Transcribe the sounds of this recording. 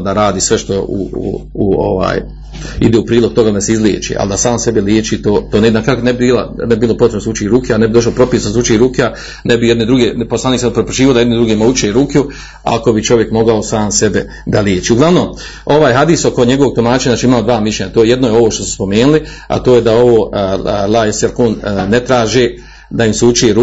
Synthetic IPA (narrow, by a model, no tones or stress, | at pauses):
d̪aɾaːd̪iːsʋe̞ʃt̪o̞ṵṵ | uo̰ʋa̰ːj | ḭd̪eːupɾiːlo̞ɡ̚t̪oɡad̪aseizljḛːt͡ʃḭʔa̰ld̪asaːmse̞beljeːt͡ʃiːt̪oːt̪oːnenakaknebibiːla̰nbibilo̞pot̪ɾebnosut͡ʃiɾuːkeanebid̪o̞ʃ̬lopɾo̞piːsnsut͡ʃiɾuːkea | nebijed̪nid̪ɾuɡeposlˠaːniksad̪pɾepɾot͡ʃiːiod̪ajed̪nid̪ɾuɡemaut͡ʃeɾuku | a̰ko̞bit͡ʃo̞ʋje̞kmo̞ɡaosaːmse̞be | d̪aljeːt͡ʃiːuɡlaʋno̞ːm | o̞ʋaːjɦad̪iːsokoɲe̞ɡoʋo̞ɡt̪omaːt͡ʃeanaːt͡ʃiimaːmod̪ʋaːmiʃlʲeɲat̪oːjeje̞d̪nojeo̞ʋoːʃt̪osu̥spo̞meːnuli | a̰t̪oːjed̪ao̞ʋoːlaeselkoːnːet̪ɾaːʒe | d̪aimsut͡ʃieɾu